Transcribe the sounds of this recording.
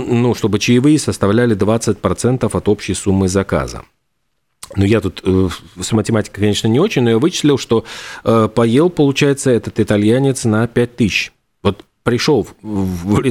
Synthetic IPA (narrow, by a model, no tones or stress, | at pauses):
nuʂt̪o̞bɨt͡ɕɪjɪvɨjɪsəst̪ɐvlʲælʲɪd̪vat̪sɨt̚ʲpɾɐt̪sɛnt̪əfɐt̪opɕːɪjsumːɨzɐka̰zə̰ | nujat̪ut̪əsmətʲɪmatʲɪ̥kəkɐnʲe̞ʂnənʲɪo̞t͡ɕɪnʲno̞javɨt͡ɕɪ̥sʲlʲɪlˠʂt̪o̞ | pɐje̞lˠpəlˠʊt͡ɕæjɪt̪səɛt̪ət̪ɪt̪ɐlʲjænʲɪt̪snɐpʲæt̚ʲt̪ɨɕ | vo̞t̪ | pɾʲɪʂolˠ | ɾʲ